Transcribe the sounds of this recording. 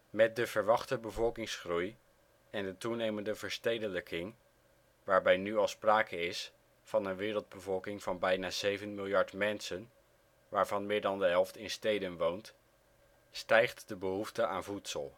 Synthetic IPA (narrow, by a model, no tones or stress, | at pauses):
mɛt̚dəv̥əɹʋɑχtəbəvɔlˠkɪŋsχruj | ɛndətunejməndəvəɹstejdələkʰɪŋ | ʋaːɹbɛjnyɑlˠspraːkəɪs | fɑnənʋɪːɾəlˠd̚bəvɔlˠkɪŋv̥ɑnbɛjnaːzejvənmɪlˠjɑɹtmɛnsən | ʋaːɹvɑnmɪːɹdɑndəɦɛlˠftɪnstejdənʋownt | stɛjχtdəbəɦuftəʔa̰ːnvutsəlˠ